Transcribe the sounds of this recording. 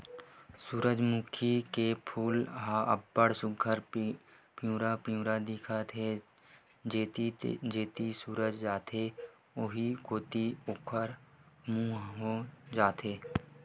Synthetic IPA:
suːɾəd͡ʒmukʰikepʰuːlɦaʔəbːəɽsʊɡʱəɾ | pjũːɾapɪjũːɾad̪ɪːkʰat̪ʰe | d͡ʒet̪d͡ʒeːt̪isuːɾəd͡ʒd͡ʒaːt̪e | oɦikoːt̪ioːkʰəɾmũaɦõd͡ʒaːt̪ʰeː

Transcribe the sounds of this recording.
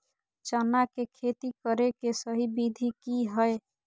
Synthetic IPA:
t͡ʃənakekʰet̪ikəɾekesəɦibid̪ʱikiɦəe

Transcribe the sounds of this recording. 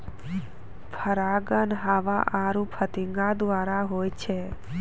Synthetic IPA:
pʰəɾaɡənɦaʋa̰ʔaːɾũpʰət̪ĩŋɡad̪ʋaːɾaɦoːjt͡ʃʰe

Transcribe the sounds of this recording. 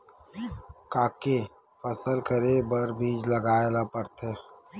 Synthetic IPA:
kaːke | fəsəlkəɾebəɾbʱiːd͡ʒləɡaːelapəɾt̪ʰeː

